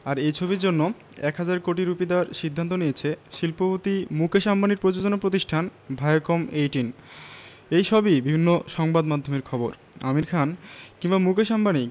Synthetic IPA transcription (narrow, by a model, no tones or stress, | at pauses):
aɾejt͡ɕʰobiɾd͡ʑonːo | ɛkɦad͡ʑaɾkoʈiɾupid̪aɾʃid̪ʱːant̪̬onijet͡ɕʰeʃilpobot̪imukʰeʃambaniɾpɾod͡ʑod͡ʑonapɾot̪iʃʈʰanbʱajokomejʈin | ejʃɔbibibʱinːoʃɔŋbad̪mad̪ʱːomeɾkʰɔboɾ | a̰miɾkʰankiŋbamukʰeʃambani